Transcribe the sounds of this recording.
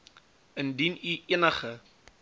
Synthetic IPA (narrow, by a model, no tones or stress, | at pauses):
əndiniʔiənəχə